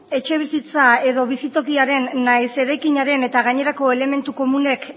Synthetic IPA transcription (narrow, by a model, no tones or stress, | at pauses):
e̞t͡ʃe̞β̞isit͡sae̞ðo̞β̞isit̪o̞kiaɾe̞nːajse̞ɾajkiɲaɾe̞ne̞t̪aɣ̞aɲe̞ɾako̞ele̞me̞nt̪uko̞mune̞k